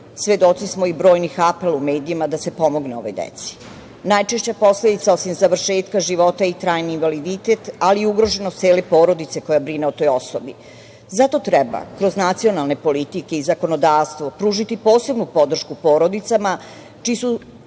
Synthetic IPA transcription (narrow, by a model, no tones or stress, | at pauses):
sʋje̞d̪o̞t̪sismoibɾo̞ːjnixapelumeːd̪iimad̪ase̞po̞mo̞ɡneo̞ʋo̞jd̪ḛt̪si̥ | najt͡ʃeʃt͡ɕapo̞sled̪it̪saosimzaʋr̩ʃeːt̪kaʒiʋo̞t̪ait̪ɾaːjniːnʋalid̪it̪e̞t̪aliːuɡɾo̞ʒe̞not̪seːlepo̞ːɾo̞d̪it̪se̞ko̞jabɾineot̪o̞jo̞sobi | zat̪o̞t̪ɾɛba̰kɾo̞znat̪sio̞nalˠne̞po̞lit̪ike̞izako̞nod̪aːʋst̪ʋo̞pɾuːʒit̪ipo̞ːse̞bnupo̞d̪r̩ʃkupo̞ːɾo̞d̪it̪sama | t͡ʃiːsu